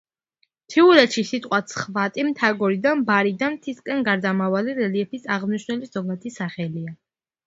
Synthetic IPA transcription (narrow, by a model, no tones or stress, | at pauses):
t̪ʰiulɛt̪ʃisit̪ʼqʼwat̪sʰχvat̪ʼimt̪ʰaɡɔɾid̪anbaɾid̪anmt̪ʰiskʼɛnɡaɾd̪amavaliɾɛliɛpisaʁmniʃnɛliszɔɡat̪ʰisaχɛlia